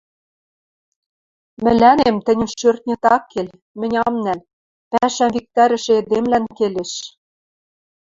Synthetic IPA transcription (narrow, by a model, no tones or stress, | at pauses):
mɘ̆lænemt̪ɘ̆nʲɘmʃørt̪̚nʲɘ̆t̪ɑkʰːel | mɘ̆nʲɑmnæl | pæʃæmvik̚t̪æɾɘ̆ʃĕĕd̪emlænkeleʃ